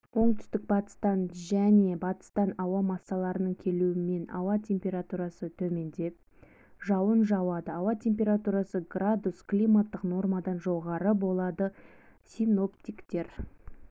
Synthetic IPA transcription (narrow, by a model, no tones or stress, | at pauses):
wo̞ɴt̪ʏ̥st̪ɪk̚bɑt̪ə̥st̪ɑnʒæne̞bɑt̪ə̥st̪ɑnɑwɑmɑsːɑlˠɑɾənəɴkʲʰe̞luɪme̞nɑ̰wɑt̪ʲʰe̞mpʲe̞ɾat̪uɾɑsət̪ʰɵme̞nd̪e̞p̚ | ʒɑwənʒɑwɑd̪əɑwɑt̪ʲʰe̞mpʲe̞ɾat̪uɾɑsəɡrad̪usklʲijmat̪ːəqno̞rmad̪ɑnʒo̞ʁɑɾəbo̞lˠɑd̪ə | sʲino̞pt̪ikt̪e̞ɾ